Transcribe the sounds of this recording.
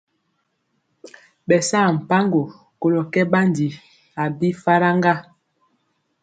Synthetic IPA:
ɓɛ˨sa˦˨m̩˨pa˦ŋɡo˨ | ko˨lɔ˨kɛ˦ba˦n˨di˨ | a˨bi˦fa˦ɾa˦ŋɡa˦

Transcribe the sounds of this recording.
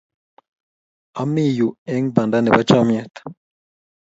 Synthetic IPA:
a˨˦mi˦˨ju˨ɛ˦ŋba˨nda˦nɛ˨ba˦t͡ʃa˦mi˦ɛ˦˨t̪ḁ

